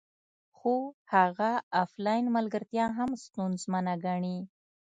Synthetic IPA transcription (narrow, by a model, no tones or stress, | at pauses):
xohaɣaaflɑjnmalɡəɾt̪jɑɦamst̪unzmanaɡaɳi